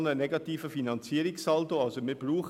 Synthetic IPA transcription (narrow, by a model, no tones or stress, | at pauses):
nənɛɡɑtiːfəfinɑnt͡siːəɾɪksɑltoɑlsomibruːχ